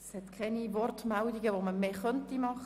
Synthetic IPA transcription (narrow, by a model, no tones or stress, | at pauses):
shɛt̪kʰɛnivɔrtmɛldiɡəʋoməmeːχœntimɑχ